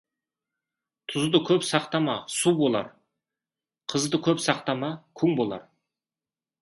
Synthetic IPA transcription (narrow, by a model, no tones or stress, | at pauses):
t̪ʰʊzd̪əkʲʰɵpsɑqt̪ɑmɑsubo̞lˠɑ̰ɾ | qʰəzd̪əkʲʰɵpsɑq̚t̪ɑmɑkʲʰɵŋbo̞lˠɑ̰ɾ